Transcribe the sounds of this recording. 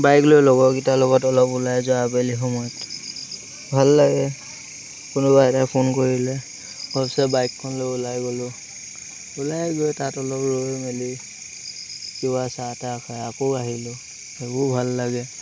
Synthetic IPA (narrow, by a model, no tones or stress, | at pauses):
bajklojlɔɡɔkitalɔɡɔtɔlɔpulajzɔabelixɔmɔɔt | bʱalːaɡɛ | kʊnʊbajtapʰonkoɹilɛ | ɔɔpsɛbajkʰːɔnloulajɡɔlʊ | ulajɡotatɔlɔpɹomeli | kibasatakʰajakɔaɦilo | ebɔbʱalːaɡɛ